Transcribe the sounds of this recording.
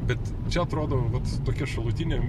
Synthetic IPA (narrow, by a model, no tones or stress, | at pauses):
bʲɛt̪ | t͡ʃʲɛɐt̪ɾoːd̪oːʋɐt̪t̪oːkʲɛʃɐlˠuːt̪ʲɪnʲeː